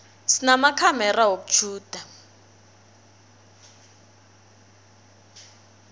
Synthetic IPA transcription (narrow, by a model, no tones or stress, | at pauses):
sinamakʰamɛrawoku̥ʒ̥ʰʱuːd̥ʱa